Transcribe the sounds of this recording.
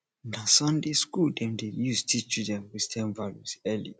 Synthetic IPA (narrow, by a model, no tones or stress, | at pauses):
nasɔ̃ndeskuldɛ̃mdejustʰit͡ʃudɛ̃nwistʰɛ̃nvalusɛlḭ